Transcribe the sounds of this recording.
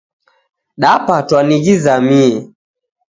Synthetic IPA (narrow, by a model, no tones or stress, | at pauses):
ɗapatwaniɣizamiɛ